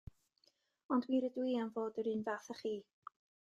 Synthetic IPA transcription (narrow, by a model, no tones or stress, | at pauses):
ɔndwiɾədwiːanvoːdəɾɨːnvaθəχiː